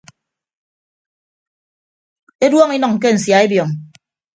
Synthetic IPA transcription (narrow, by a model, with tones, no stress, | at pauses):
e˦dwɔ˦ŋi˦nɔ˨ŋ̩˨k̬e˦n̩˨sja˨e˦bjɔ˨ŋ